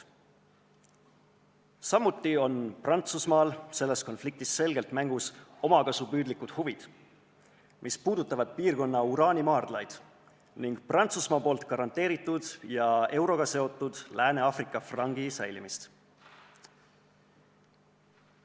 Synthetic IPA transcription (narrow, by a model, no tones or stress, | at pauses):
sɑmːut̪ːˑio̞nprɑnt̪susmɑːlse̞lːe̞sko̞nflik̚t̪isːe̞lɡe̞lt̪mæŋɡ̥uso̞mɑkɑsupyːd̪likːˑud̪̥huvid̪̥ | mʔispuːd̪ut̪ːˑɑvɑd̪̥piːrko̞nːɑuɾɑːnʲimɑːrd̪̥lɑjd̪̥ | niŋɡ̥̚prɑnt̪susmɑːpo̞ːlt̪kɑɾɑnt̪ˑe̞ːɾit̪ːˑud̪̥jɑe̞wɾo̞ɡ̥ɑse̞o̞t̪ːˑud̪̥læːne̞ɑfrikːˑɑfrɑŋɡ̥isæjlimist̪